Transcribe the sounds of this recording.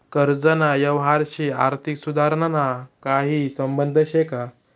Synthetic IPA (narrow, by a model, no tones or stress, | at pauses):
kəɾd͡zənajəʋɦaɾɕiːaɾt̪ʰiksud̪ʱaɾɳanakaɦiːsəmbənd̪ʱəɕeka